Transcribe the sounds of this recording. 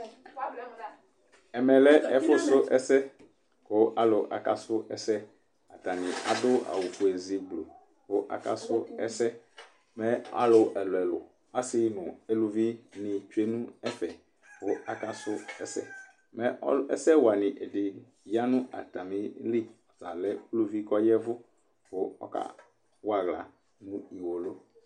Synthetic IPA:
ɛ˨mɛ̃˨lɛ˦ɛ˨fo˦so˦ʔɛ˦sɛ˦ | ko˦ʔa˨lo˨ʔa̰˨ka˦sʊ˦ʔɛ˦sɛ˦ | a˨t̪a˨nĩ˨a˨d̪o˦a̰˨wu˨fo˨e˨zi˨ɡ͡blo˨ | ko˦ʔa̰˨ka̰˦sʊ˦ɛ̰˦sɛ˦ | mɛ̃˦a̰˦lo˨ʔɛ˨lo˨ɛ˨lo̰˨ | a˦si˦nũ˨e˦lu˨vi˦nɪ̃˨t͡ʃu˦e˦nũ˦ɛ˦fɛ˨ | vʊ˦ʔa˨ka˦sʊ˦ɛ̰˦sɛ˦ | mɛ˦ʔɔ̰˦lɛ̰˦sɛ˦wa˨nɪ̃˨ʔe˨dɪ˨ | ja˦nʊ̃˦ʔa̰˨t̪a˨mĩ˨˦li˦˨ | za˨lɛ˦lu˦vi˦kɔ˦jɛ˦vʊ˦ | vʊ˦ɔ̰˦ka̰˦ | wa˨ɣla˨ | nʊ̃˦i˨wo˨lo˦

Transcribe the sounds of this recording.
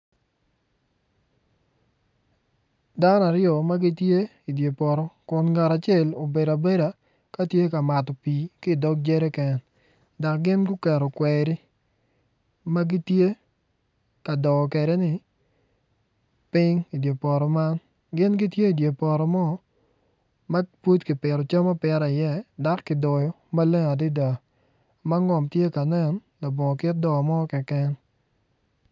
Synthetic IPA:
da˦na˨ɾɪjɔ˨ma˦ɡi˦tje˦ | i˨dje˨pɔ˨ɾɔ˦kʊ˨nɡa˨ɾa˨t͡ʃe˦˨lo˨be˨da˨be˦da˨ | ka˦tje˦ka˨ma˨tɔ˨pi˨kɪ˦˨dɔ˦k̚d͡ʒɛ˦ɾɛ˦kɛ˨n | da˨k̚ɡɪ˦nɡu˦kɛ˨ɾɔ˨kwɛ˨ɾi˦ | ma˦ɡɪ˦tje˦ | ka˨dɔ˨ɔ˨kɛ˨dɛ˦nɪ˨ | pɪ˦ŋi˨dje˨pɔ˨ɾɔ˨ma˦n | ɡɪ˦nɡi˦tje˦i˨dje˨pɔ˨ɾɔ˨mɔ˦ | ma˦pu˦tki˨pɪ˨ɾɔ˨t͡ʃa˦ma˦pɛ˨ɾa˨ɪ˨jɛ˦da˦kːɪ˨dɔ˨jɔ˦ | ma˦le˦ŋa˨dɪ˦da˨ | ma˦ŋɔ˨mtje˦ka˨nɛ˦n | la˨bɔ˨ŋɔ˨kɪ˦t̚dɔ˨mɔ˦kɛ˨kɛ˦n

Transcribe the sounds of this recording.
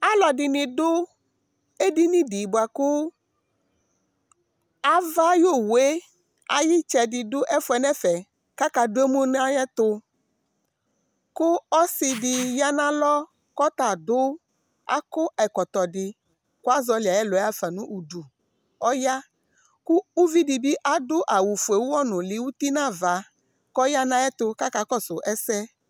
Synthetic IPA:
a˦lɔ˨ɖɪ˨nɪ̃˨ɖʊ˦ | e˦di˦nĩ˦di˨bo˨a˨kʊ˦ | a˦va˦jo˦˨we˦ | a̰˨ji˦t͡ʃɛ˨di˨dʊ˦ʔɛ˦fʊ˦ɛ˨nɛ̃˦fɛ˨ | ka˦ka˨do˦e˦mu˦n˦a˦ɲɛ̃˦t̪ʊ˦ | kʊ˦ɔ˦si˨di˨ja˦nã˦lɔ˦ | kɔ˦t̪a˨dʊ˦ | a̰˦kʊ˦ɛ˨kɔ˨t̪ɔ˨ɖɪ˨ | ko˦a˦zɔ˨li˨a˨jɛ˦lo˨˦a˦fɛ˨nũ˦ʔu˨du˨ | ɔ˦ja˦ | ku˦u˦vi˦di˨bi˦ʔa˦dʊ˦ʔa˨wu˨fu˨e˨wu˦wɔ˦nʊ̃˨li˨wu˦t̪i˦nã˦˨va˨ | kɔ˦ja˦nã˦ɛ˦t̪ʊ˦ka˦ka˦kɔ˦sʊ˨ʔɛ˦sɛ˦

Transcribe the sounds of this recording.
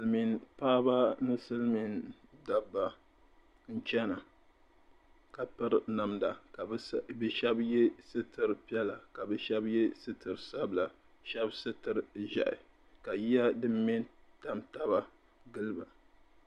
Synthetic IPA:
lmi˨npaː˦ba˦nɨ˦sɨ˦lmi˨nda˨bːa˨ | n̩˦t͡ʃɛ˦na˨ | ka˨pɨ˦ɾna˨mda˨kbɨ˦ʃɛ˦bjɛ˦sɨ˦tɨ˨ɾpi˦ɛ˦la˨ka˨bɛ˦ʃɛ˦bjɛ˦sɨ˦tɨ˨ɾsa˦bla˨ | ʃɛ˦bsɨ˦tɨ˨ɾʒa̰˨ʔɪ̰˨ | ka˨ji˦a˦dɨ˦m˦mɛ˦nta˨mta˦ba˦ | ɡɨ˦lɨ˦ba˨

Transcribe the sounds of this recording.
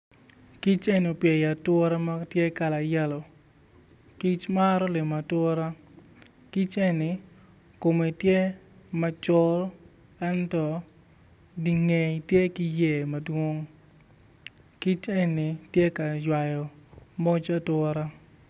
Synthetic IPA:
ki˦t͡ʃe˦no˨pjɛ˨ja˨twɔ˦ɾa˦ma˦tje˦ka˨la˨jɛ˦lɔ˨ | ki˦t͡ʃma˦ɾɔ˦lɪ˨ma˨twɔ˦ɾa˦ | ki˦t͡ʃe˦nɪ˨ | ko˨me˨i˨tje˦ | mɐ˦t͡ʃɔ˦l | ɛ˦ntɔ˦ | di˨ŋe˨i˨tje˦ki˦je˦˨mɐ˨dwo˦ŋ | ki˦t͡ʃe˦nɪ˨tje˦ka˨jwa˨jɔ˨mɔ˦t͡ʃa˦tɔ˦ɾa˦

